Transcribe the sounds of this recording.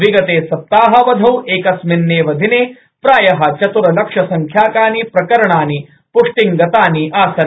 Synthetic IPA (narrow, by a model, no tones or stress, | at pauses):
ʋiɡɐt̪eːsɐp̚t̪aːɦɐ̆ʋɐd̪ʱɐweːkɐsminːeːʋɐd̪ʱineː | pɾaːjɐɦɐ̆t͡ʃɐt̪uɾɐlɐkʂɐsɐŋkʰjaːkaːnipɾɐkɐɾɐɳaːni | pʊʂʈiŋɡɐt̪aːniʔaːsɐ